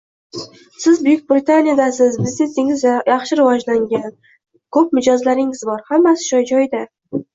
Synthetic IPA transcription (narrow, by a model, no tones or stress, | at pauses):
sɪzbʊjʊk̚ʲbɾɪt̪ʰanʲijad̪asɪzbɪzne̞t̪ɪŋɪzjɑχʃɪɾɪvɒd͡ʒlaŋɡʲan | kʰɵp̚mɪd͡ʒɒzlaɾɪŋɪzbɒɾhamːasɪ̥ʃɒjd͡ʒɒjd̪a